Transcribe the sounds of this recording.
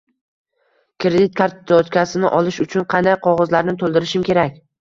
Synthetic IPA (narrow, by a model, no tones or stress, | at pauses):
kʰɾed̪ɪt̪̚kʰaɾt̪ɪt̪ot̪kʲasɪnɪʔɒlɪʃʊt͡ʃʰʊnqʰɑnd̪ajqʰɒʁɒzlaɾnɪt̪ʰolˠd̪ɪɾɪʃɪmkʲe̞ɾakʲ